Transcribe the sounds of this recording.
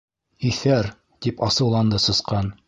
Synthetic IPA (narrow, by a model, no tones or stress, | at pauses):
iθæɾ | t̪ipɑsɤ̆wlˠɑnd̪ɤsɤ̆sqɑn